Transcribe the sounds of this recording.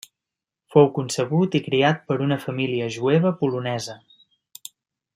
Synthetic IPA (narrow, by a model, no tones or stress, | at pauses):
fowkunsəɣut̪ikɾiat̪̚pəɾunəfəmiliəʒueβ̞əpulunɛzə